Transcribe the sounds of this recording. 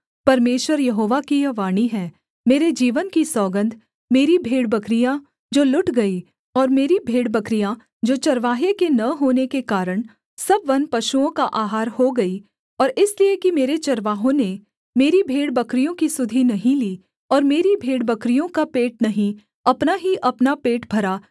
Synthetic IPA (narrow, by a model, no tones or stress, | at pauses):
pɐɾmeːʃwəɾjɐɦoːʋakijɐʋaːɽ̃iɦɛː | meːɾed͡ʒiːʋənkisɔːɡə̃nd̪ʱ | meːɾibʱeːɽbɐkɾijã | d͡ʒoːlʊʈɡɐi | ɔːɾmeːɾibʱeːɽbɐkɾijã | d͡ʒoːt͡ʃɐɾʋaːɦekenɐɦoːnekekaːɾəɽ̃ | sɐbʋɐnpɐʃuõkaʔaːɦaːɾhoɡɐi | ɔːɾɪsliekimeːɾet͡ʃɐɾʋaːɦõne | meːɾibʱeːɽbɐkɾijõkisʊd̪ʱinɐɦĩliː | ɔːɾmeːɾibʱeːɽbɐkɾijõkapeːʈ̚nɐɦĩ | ɐpnaɦiʔɐpnapeːʈbʱɐɾaː